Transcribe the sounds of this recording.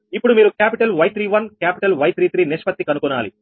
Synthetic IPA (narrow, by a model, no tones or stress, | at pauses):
ipːuɽumiːɾukaːpiʈɐlʋɐjt̪ɾiːʋɐnkaːpi̥ʈɐlʋɐjt̪ɾiːt̪ɾiːniʂpɐt̪ːikɐnukunːaːlḭ